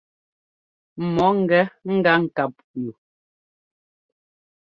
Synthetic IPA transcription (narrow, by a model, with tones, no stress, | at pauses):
mɔ˨˦ŋ̩˦˨ɡɛ˦ŋ̩˦ɡa˦ŋ̩˨ka˨p̚ju˨